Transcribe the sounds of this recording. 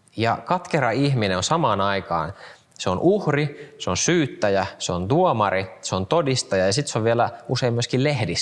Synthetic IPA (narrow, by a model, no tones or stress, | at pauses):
jɑkɑt̪keɾɑiçmineonsɑmɑːnɑikɑ̰ːn | seonʔuhriseonsyːt̪ːæjæseont̪uomɑɾiseont̪odist̪ɑjɑjɑsit̪seoʋʋielæuseimːyøskillehdis